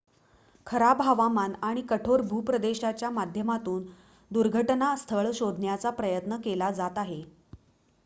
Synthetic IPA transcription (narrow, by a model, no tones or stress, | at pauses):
kʰəɾabɦaʋamanaɽ̃ikəʈʰoɾbʱuːpɾəd̪eɕat͡ɕjamad̪ʱjəmat̪uːn | d̪uɾɡʱəʈnast̪ʰəɭɕod̪ʱnjat͡sapɾəjət̪nəkelad͡zat̪aɦe